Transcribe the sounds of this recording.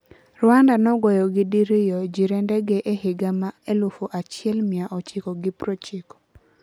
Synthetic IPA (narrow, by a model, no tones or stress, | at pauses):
rwandanɔɡɔjɔɡɪdiɾijɔd͡ʒiɾɛndɛɡɛʔehɪɡamaelufoʔat͡ʃɪɛlmɪaʔɔt͡ʃɪkɔɡɪpɾɔt͡ʃikɔ̥